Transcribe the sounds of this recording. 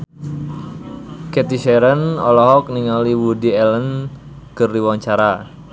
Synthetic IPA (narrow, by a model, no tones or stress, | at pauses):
kɛt̪iʃɛɾənɔlɔɦɔk̚niŋaliwudiɛlən | kərdiwaŋt͡ʃaɾa